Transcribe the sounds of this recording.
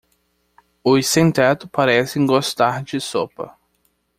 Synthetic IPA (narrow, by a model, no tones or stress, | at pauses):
ʊsẽnt̪ɛt̪ʊpaɾɛsẽɡost̪aɾd͡ʒɪsopɐ̰